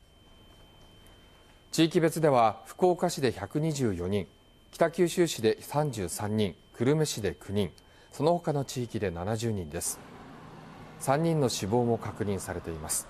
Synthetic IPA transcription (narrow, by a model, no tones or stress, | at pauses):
t͡ɕiːkʲibe̞t͡sɨd̪e̞βaɸɯ̟̥ko̞ːkaɕid̪e̞çakɯ̟ɲ̟iʑɨːjo̞ɲ̟ĩŋ | kʲi̥t̪akʲɨːɕɨːɕid̪e̞sãɲd͡ʑɨːsãɲ̟ːĩŋkɯ̟ɾɯ̟me̞ɕid̪e̞kʰɯ̟ɲ̟ĩŋ | so̞no̞ho̞kano̞t͡ɕiːkʲid̪e̞nanaʑɨːɲ̟ĩnd̪e̞sɨ̥ | sãɲ̟ːĩnːo̞ɕibo̞ːmo̞kakɯ̟ɲ̟ĩɰ̃saɾe̞t̪e̞imasɨ̥